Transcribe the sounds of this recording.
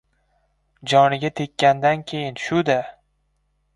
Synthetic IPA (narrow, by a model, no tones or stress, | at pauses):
d͡ʒɒnɪɡʲat̪ʰekʲːand̪ankʲʰe̞jɪnʃʊd̪a